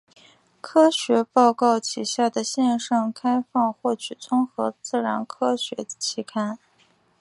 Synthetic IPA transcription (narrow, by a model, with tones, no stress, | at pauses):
kʰɤ˥ɕɥɛ˧˥pɑ˥˧ʊkɑ˥˩ʊt͡ɕʰi˨˩ɕja˥˩d̪ə˩ɕjɛ˥˧nʂɑ˥˩ŋkʰa˥ɪfɑ˥˧ŋxwɔ˥˩t͡ɕʰy˨˩t͡sʊ˥ŋxɤ˧˥t͡sɹ̩˥˩ɻa̰˧˥nkʰɤ˥ɕɥɛ˧˥t͡ɕʰi˥˩kʰa˥n